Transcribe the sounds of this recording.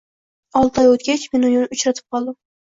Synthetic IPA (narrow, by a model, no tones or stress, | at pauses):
ɒlˠt̪ɒjot̪ɡʲat͡ʃmenʊjʊnʊt͡ʃɾat̪ʰɪ̥p̚qʰɒlˠd̪ɪm